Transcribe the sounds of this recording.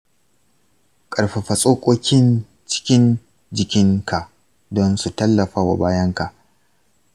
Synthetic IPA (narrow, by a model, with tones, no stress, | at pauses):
kʼɐ˨ɽɸa˨ɸɐ˨sʼoː˦kʷʼoː˦kʲɪ˦n | t͡ʃɪ̥˦kʲɪ˦n | d͡ʒɪ˨kʲɪ˦ŋka˨ʔ | dɔ˦nsu˨tɐ˦lːɐ˨ɸaː˦wa̰˨baː˦jɐ˦ŋka˨ʔ